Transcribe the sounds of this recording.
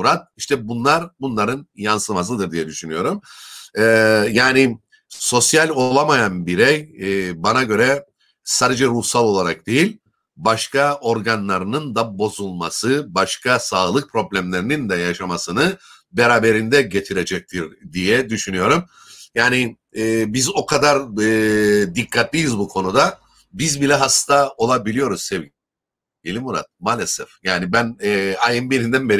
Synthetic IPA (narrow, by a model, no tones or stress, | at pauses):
ɾat̪̚iʃt̪ʰɛbunlˠaɾbunlˠaɾɯnjansɯlˠmas̬ɯd̪ɯɾd̪ijɛd̪yʃynyjo̞ɾumɛːjaːni | so̞sjalʲo̞lˠamajanbiɾɛjbanaɟø̞ɾɛ | saːd̪ed͡ʒɛɾuhsalˠo̞lˠaɾak̚d̪̥ejilʲ | baʃkao̞ɾɡanlˠaɾɯnɯnd̪abo̞zulˠmasɯbaʃkʰasaːlˠɯk̚pʰɾo̞blʲæmlʲe̞ɾinind̪ɛjaʃamasɯnɯ | beɾaːbe̞ɾind̪ɛɟe̞t̪ʰiɾe̞d͡ʒɛc̚t̪ʰiɾd̪ijɛd̪yʃynyjo̞ɾum | jaːni | ɛːbizo̞kʰad̪aɾɯːd̪ikʰːat̪ʰlʲijizbukʰo̞nud̪a | bizbilʲɛɦast̪ʰao̞lˠabilʲijo̞ɾuz̥sevɟin | ɟelʲimuɾa̰t̪̚maːlʲesɛfjaːnibænːajɯmbieɾind̪ænbeɾi